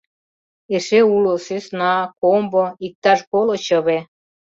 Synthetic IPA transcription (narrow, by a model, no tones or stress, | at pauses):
eʃeulosesnɑkomboik̚t̪ɑʃkolot͡ɕɤβe